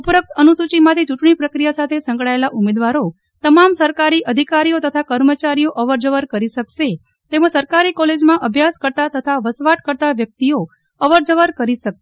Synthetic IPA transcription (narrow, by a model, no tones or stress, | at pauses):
upəɾək̚t̪ʰənusut͡ʃimãt̪ʰit͡ʃuʈɳ̃ipɾəkɾijasat̪ʰesə̃ŋkɭaelaʔumed̪ʋaɾo | t̪əmamsəɾkaɾiʔəd̪ʱikaɾijot̪ət̪ʰakəɾmət͡ʃaɾijoʔəʋəɾd͡ʒəʋəɾkəɾiʃəkʃe | t̪emə̃səɾkaɾikɔled͡ʒmãʔəbʱjaskəɾt̪at̪ət̪ʰaʋəsʋaʈkəɾt̪aʋjək̚t̪io | əʋəɾd͡ʒəʋəɾkəɾiʃəkʃe̥